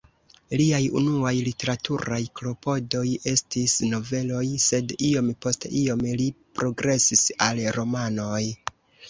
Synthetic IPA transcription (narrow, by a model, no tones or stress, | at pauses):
liajṵnuajlite̞ɾatuɾajklo̞po̞do̞je̞stisno̞ve̞lo̞jse̞dio̞mpo̞steio̞mlipɾo̞ɡɾe̞sisalɾo̞mano̞j